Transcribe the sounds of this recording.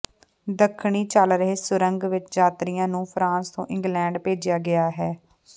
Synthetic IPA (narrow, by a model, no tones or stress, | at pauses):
d̪əkʰɳiːt͡ʃaːlɾəɦeːsʊɾə̃ŋɡʋɪt͡ʃd͡ʒaːt̪ɾɪjãːnũːpʰɾãːst̪õ̰ːʔɪ̃ŋɡlɛ̃ːɳɖpeːd͡ʒjaːɡɪaːɦɛː